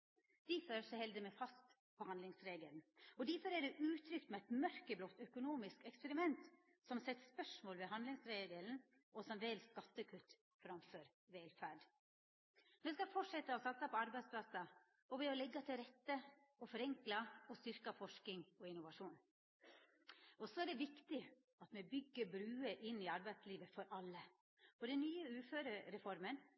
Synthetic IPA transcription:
d̪̥æføɾsɔhɛld̪əmɛfɑst̪ | pʰɔhɑnlɪŋsɾeːɡəlnɔd̪æɾfɔɾæɖɛʔʉːt̪ʰɾʏkt̪mɛæɪt̪mœɾkəblɔt̪ːœkʊnuːmɪskɛkspɛɾɪmɛnt̪ | sɔmsɛt̪ːspœʂmoːlʋɛɦɑnd̪lɪŋsɾeːɡəln̩ | ɔsɔmʋɛːlskɑt̪ːəkʰʉt̪ː | fɾɑmføːɾ | ʋeːlfæɖ | mɛskɑfɔʈʂɛt̪ːəɔsɑt̪sɑpʰɔɑɾbæɪspʰlɑsɑ | ɔʋɛɔlɛɡːɑt̪ʰɪlɾɛt̪ːə | ɔfɔɾɛŋklɑɔst̪ʏɾkɑfɔʂkɪŋɔɪnʊʋɑʂuːn | ʔɔsɔɛɖɛʋɪkt̪ɪ | ɑt̪mɛbʏɡːəbɾʉːəʔɪnːɪɑɾbæɪt̪sliːʋəfɔɾʔɑlːə | ɔɖ̪ɛnnyːəʉːføːɾəɾɛfɔɾmən

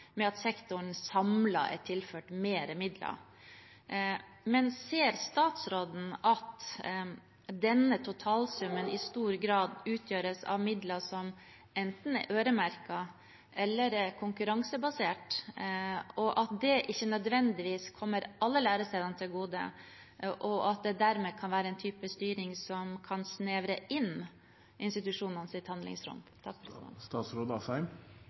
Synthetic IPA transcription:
mɛɑt̪sɛkt̪ʊɳsɑmlɑ̰ɛ̰ʈʰɪlføːʈmeːɾəmɪd̪lɑ̰ | mɛnseːɾst̪ɑːt̪sɾoːd̪n̩ɑt̪ | d̪ɛnːət̪ʰʊt̪ʰɑːlsʉmːənɪst̪uːɾɡɾɑːd̪ʉːt̪ʰjøːɾəsɑ̰ʋmɪd̪lɑsɔm | ɛnt̪n̩ɛ̰ʔøːɾəmæɾkɑ | ʔɛlːəɾkʰʊŋkʉɾɑŋsəbɑseːʈ | ɔʔɑt̪̚d̪ɛʔɪçːənœd̪ʋɛnd̪ɪʋiːskʰɔmːəɾʔɑlːəlæːɾəsɛɪd̪ɑnt̪ʰɪlɡuːd̪ə̰ | ʔɔʔɑt̪̚d̪ɛd̪æɾmeːkʰɑnʋæːɾəɛnt̪ʰyːpəst̪yːɾɪŋsɔmkʰɑnsneːʋɾəɪn | ɪnst̪ɪt̪ʉʂuːnənsɪt̪hɑnlɪ̰ŋsɾʉ̰mt̪ʰɑkfst̪ɑːt̪sɾuːd̪ɑfæɪm

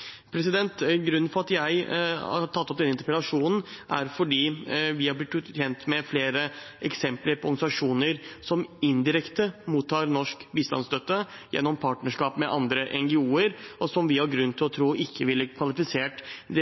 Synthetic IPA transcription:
pʰɾɛsɪd̪ɛnt̪ɡɾʉnːnfɔɾɑt̪jæɪɑ̰t̪ʰɑt̪ːɔp̚d̪ɛnːɪnt̪əɾpɾlɑʂuːnn̩ʔæ̰ɾfɔɖiːʋɪhɑblɪt̪ːʰjɛnt̪mɛfleːɾə | ɛksɛmpləɾpʰɔɾɡnɪsɑʂuːnəɾsɔmɪnd̪ɪɾɛkt̪əmuːt̪ʰːɑːɾnɔʂkbiːst̪ɑ̰nsd̪œt̪ːəjɛ̰nːɔmpʰɑːʈnəʂkɑːpmɛʔɑnd̪ɾəʔɛŋɡɪuːəɾʔɔsɔmʋɪhɑɾɡɾʉnːt̪ʰɪlɔt̪ʰɾuːʔɪkʰːəʋɪlːəkʰʋɑlɪfɪseːʈd̪ɛ

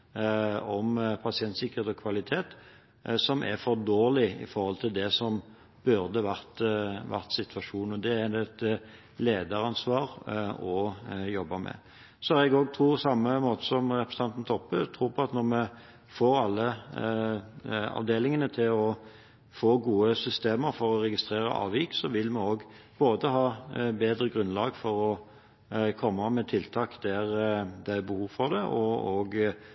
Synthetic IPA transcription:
ɔmpʰɑsɪɛnt̪sɪkəʁ̥eːt̪ɔkʰʋɑlɪt̪ʰeːt̪ | sɔmʔæ̰ɾfɔʁd̪oːlɪɪ̰fɔɾʁhɔlt̪ʰɪld̪ɛsɔm | b̥ʉɾd̪əʋɑɾt̪ʋæ̰ʁt̪sɪt̪ʰʋɑʂuːnɔd̪ɛæd̪ɛt̪ | leːd̪əɾɑnsʋɑːɾɔjɔbːɑmɛ̰ | sɔhɑɾɛɡoːɡ̚t̪ʰɾuːsɑmːəmoːt̪ə̥sɔmɾɛpɾəsət̪ʰɑnt̪n̩t̪ʰɔpːət̪ʰʁuːpʰɔɑt̪nɔɾmɛ | foːɾɑlːə | ɑ̰ʋd̪eːlɪŋənət̪ʰɪlɔ | foːɡuːəsʏst̪eːməɾfɔɾɔɾɛɡɪst̪ɾeːɾə̰ʔɑ̰ːʋiːksɔʋɪlmɛoːɡ | b̥oːd̪əɦɑːbeːd̪ɾəɡɾʉnlɑːɡfɔɾɔ | kʰɔmːɑmɛt̪ʰɪlt̪ʰɑːkd̪æɾd̪ææbəhuːʋfɔʁd̪ɛʔɔoɡ

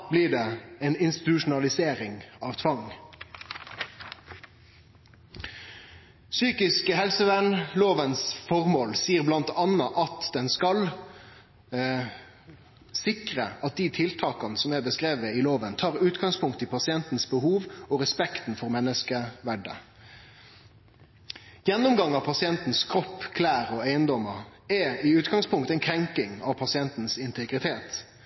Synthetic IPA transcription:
blɪːɖɛɛnɪnst̪ɪt̪ʉʃʊnɑlɪseːɾɪŋɑːʋt̪ʰʋɑŋ | syːkɪskəhɛlsəʋɛnloːʋənsfɔʁmoːlsiːəʁblɑnt̪ɑnːəʔɑt̪d̪̥ɛnskɑl | sɪkʁəɑt̪̚d̪ɪt̪ʰɪlt̪ʰɑːkɑnəsɔmæbəskɾeːʋəɪloːʋənt̪ʰɑːʁʉːt̪ɡɑŋspʰʊŋkt̪ɪpʰɑsɪɛnt̪n̩sbəɦuːʋɔɾɛspɛkt̪n̩fɔʁmɛnːəskəʋæɖə̰ | jɛnːʊmɡɑŋːɑʋpʰɑsɪɛnt̪n̩skʰɾɔpːkʰlæːɾɔæɪənd̪ɔməʁɛɪʉːt̪ɡɑŋspʰʊŋkt̪ɛɪnkʰɾɛŋkɪŋɑ̰ʋpʰɑsɪɛnt̪n̩sɪnt̪ʰɛɡɾɪt̪ʰeːt̪

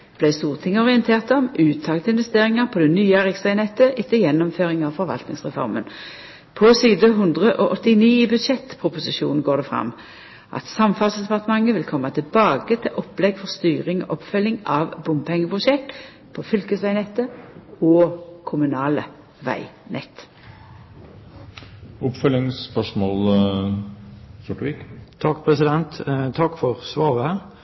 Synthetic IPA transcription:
b̥læɪst̪uːʁt̪ʰɪŋːəɔʁɪənt̪ʰeːʁt̪ɔmʉːt̪ʰːɑːɡt̪əɪnʋɛst̪eːʁɪŋɑʁpʰɔd̪ɛnyːəæʁɪksʋæɪnɛt̪ːəʔɪt̪ːəjɛnːɔmføːʁɪŋɑʋfɔʁɾʋɑ̰lt̪nɪŋsʁɛfɔ̰ʁmən | pʰɔsyːd̪əɦʉnd̪ʁəʔɔʔɔt̪ːɪniːbʉd̪ʃɛt̪ːpʰʁʊpʊsɪʃṵːnn̩ɡoːʁd̪ɛfʁɑ̰mː | ʔɑ̰t̪sɑmfɑlsd̪ɛpɑʁt̪əmɑŋːəʋɪlkʰɔmːɑt̪ʰɪlbɑːɡət̪ʰɪlʔɔpːlɛɡfɔʁst̪yːʁɪŋɔ̰ʔɔpfœlːɪŋɑʋbʊmpʰɛŋːəpʰʁʊʃɛk̚t̪ | pʰɔfʏlkəsʋæɪnɛt̪ːəoːkʰʊmʉnɑːlə | ʋæ̰ɪnɛ̰t̪ː | ʊpfœlɪŋspœʂmoːl | sʊʈəʋiːkt̪ʰɑkːpʰɾɛsɪd̪ɛnt̪t̪ʰːɑkːfɔʁsʋɑːʋə

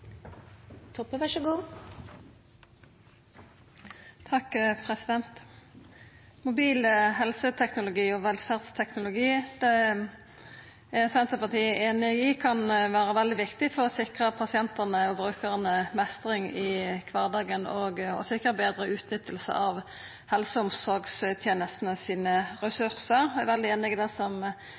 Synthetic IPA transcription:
t̪ʰɔpːəʋɑʂəɡuː | t̪ʰɑkpʰʁɛsɪd̪ɛnt̪ | mʊbiːləɦɛlsət̪ʰɛknʊlʊɡiːɔʋɛlfæʁd̪st̪ʰɛknʊlʊɡiːd̪̥ɛ | æsɛnt̪əpɑt̪ʰiːʔeːnɪɪkʰɑnʋæːɾəʋɛld̪ɪʋɪkt̪ɪfɔʁɔsɪkʁəpʰɑsɪɛnt̪əʁnəɔbʁʉːkəʁənəmɛst̪ʁɪŋɪkʰʋɑːʁd̪ɑːɡənɔɡɔ̰sɪkəbeːd̪ɾəʉːt̪nʏt̪ʰːəlsə̰ʔɑʋ | hɛlsəʊmsɔɾɡst̪ʰjeːnəst̪nəsiːnəʁɛsʉʁsəʁæʋɛld̪ɪeːnɪɡd̪ɛsɔm

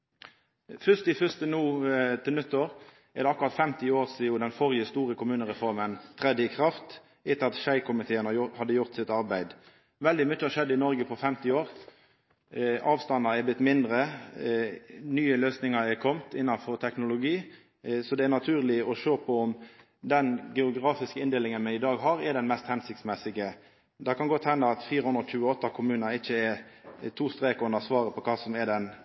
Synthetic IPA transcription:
fʏst̪ɪfʏst̪ənuːt̪ʰɪlnʉt̪ːəɾ | ɛʁd̪ɛɑkːʉɾʁɑt̪fɛmt̪ɪoːʁsiʊd̪ɛnfɔɾjəst̪uːɾəkʰʊmʉːnəɾɛfɔɾmənt̪ʰɾɛd̪ːəɪkʰɾɑft̪ | ɪt̪ːəɑt̪ʃæɪkʰʊmɪt̪ʰeːənəhɑd̪ːəjʊɾt̪sɪt̪ɑɾbæɪd̪ | ʋɛld̪ɪmʏt͡ʃːəɑʃɛd̪ːəɪnɔɾɡəpʰɔfɛmt̪ɪoːɾ | ɑːʋst̪ɑnːɑɾɛɾblɪt̪ːmɪnd̪ɾə | nyːəløːsnɪŋɑɾɛɾkʰɔmt̪ɪnːɑnfɔʁt̪ʰɛknʊlʊɡiː | sɔd̪ɛæɾnɑt̪ʰʉːʁlɪɔʃøːpʰɔɔm | d̪ɛnɡɛʊɡɾɑːfɪskəɪnd̪eːlɪŋənmɛɪd̪ɑːɡɦɑɾɛɖ̪ɛnmɛst̪hɛnsɪkt̪smɛsɪɡə | d̪ɑkɑnɡɔt̪ːhɛnd̪ɑɑt̪fiːɾəhʉnd̪ɾɔc͡çʉːəɔt̪ːɑkʰʊmʉːnɑɾɪçːəɛɾ | t̪ʰuːst̪ɾeːkʊnːəsʋɑːɾəpʰɔkʰɑːsɔmɛd̪ɛn

